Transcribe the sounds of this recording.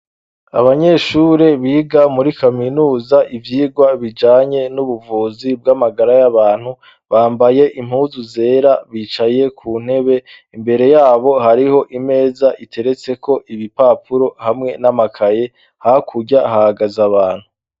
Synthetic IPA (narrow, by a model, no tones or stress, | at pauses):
a̰βaɲe̞ʃuɾe̞βiːɡamuɾikaminuːzaʔivjiːɡwaβid͡ʒaːɲe̞nuβuvuːzibɡamaɡaɾajaβaːn̥hu | βaːmbaje̞ʔim̥huːzuze̞ːɾaβit͡ʃaje̞kʰuːn̥he̞βe̞ | imbe̞ɾe̞jaːβo̞ɦaɾiho̞ʔime̞ːzaʔitʰe̞ɾe̞t͡se̞kʰo̞ʔiβipaːpuɾo̞hamŋe̞namakʰaje̞ | hakʰuɟaɦahaɡazaβaːn̥hu